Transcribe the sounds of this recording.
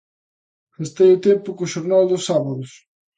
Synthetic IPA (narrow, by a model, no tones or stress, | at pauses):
est̪ejʊt̪empʊkʊʃoɾnald̪ʊsaβaðʊs